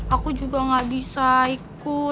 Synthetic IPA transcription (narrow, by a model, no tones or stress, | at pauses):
akud͡ʒuɡaŋɡabisaik | u